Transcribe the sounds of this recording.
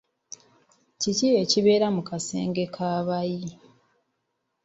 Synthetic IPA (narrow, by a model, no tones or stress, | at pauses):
cicije̞ciβe̞ːɾamukasḛːŋɡe̞kʰaːβaji